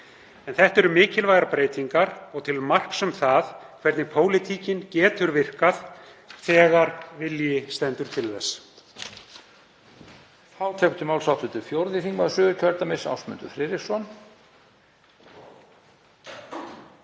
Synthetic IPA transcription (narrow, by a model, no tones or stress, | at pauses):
ɛnθɛht̪ɛɾʏmɪːcɪlvajɣaɾpɾeːjt̪iŋkaɾɔɣt̪ʰɪlmar̥ksɛmθaðkʰvɛɾt̪nɪpʰoːwlɪt̪ʰiːcɪncɛːt̪ʏɾvɪr̥kað | θɛːɣaɾvɪljɪst̪ɛnt̪ʏɾt̪ʰɪlðɛs | θawt̪ʰɛkt̪ʏmawlsawt̪ʏt̪ʰɪlfjowɾðɪθiŋkmaðsʏːɣʏɾcʰœɾt̪amɪsa̰wsmʏ̰nt̪ʏ̰fɾɪːɾɪsɔn